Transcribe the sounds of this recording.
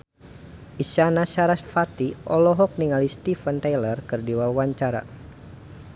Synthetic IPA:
ʔisanaʃaɾasfat̪iʔɔlɔɦɔk̚niŋalist̪ifənt̪ajlərkɨrdiwawaɲt͡ʃaɾa̰

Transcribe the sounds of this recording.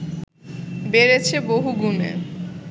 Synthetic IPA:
beɾet͡ɕʰeboɦuɡumḛ

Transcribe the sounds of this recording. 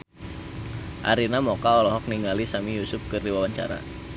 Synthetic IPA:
ʔa̰ɾinamɔkaɔlɔɦɔk̚niŋalisamijusʊp̚kɨrdiwawaɲt͡ʃa̰ɾa̰

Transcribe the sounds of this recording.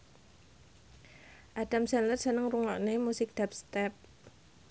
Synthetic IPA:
ʔad̥amsanlərsənəŋruŋɔ̰ʔnemusɪk̚d̥ap̚st̪ɛp̚

